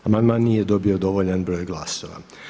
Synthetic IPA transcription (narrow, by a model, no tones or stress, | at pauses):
amand̪manːiːjed̪o̞bio̞d̪o̞ʋoʎanbɾo̞ːjɡlˠasoʋa̰